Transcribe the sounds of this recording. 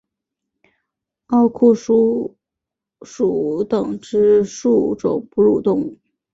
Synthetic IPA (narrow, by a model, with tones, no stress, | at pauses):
ɑ˥˧ʊkʰu˥˩ʂu˥ | ʂu˨˩t̪ɤ˨˩ŋʈ͡ʂɻ̩˥ʂu˥˩ʈ͡ʂʊ̰˨˩ŋpu˥˧ɻu˥˩t̪ʊ˥˩ŋ